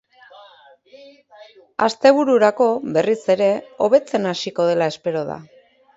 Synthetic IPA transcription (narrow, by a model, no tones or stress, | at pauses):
a̰st̪e̞β̞uɾuɾako̞βe̞rise̞ɾe̞o̞βe̞t͡se̞nasiko̞ð̞e̞lae̞spe̞ɾo̞ða̰